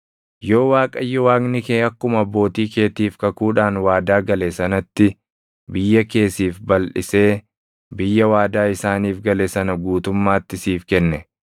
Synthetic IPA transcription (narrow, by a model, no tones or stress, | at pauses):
jo̞ːwaːkʼɐjːɔwaːɡnɪkeːɐkːʊmɐbːo̞ːt̪iːkeːt̪iːfkɐkuːᶑaːnwaːd̪aːɡɐlesɐnɐt̪ːɪ | bɪjːɐke̞ːsiːfbɐlʔɪse̞ː | bɪjːɐwaːd̪aːɪsaːniːfɡɐlɛsɐnɐɡuːt̪ʊmːaːt̪ːɪsiːfkɛnːɛ